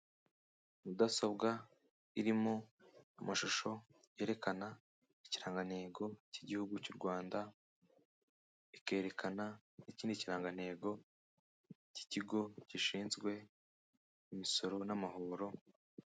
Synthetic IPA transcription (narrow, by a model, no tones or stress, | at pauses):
mudasobɡa | iɾimo̞amaʃuʃo̞ | je̞ːɾe̞kana | iciɾaːŋɡan̥he̞ːɡo̞ciɟihuɡucuɾɡwaːnda | ike̞ːɾe̞kʰananiciːndiciɾaːŋɡan̥e̞ːɡo̞ | ci̥ciɡo̞ciʃiːnzɡwe̞ | imiso̞ɾo̞namaɦo̞ɾo̞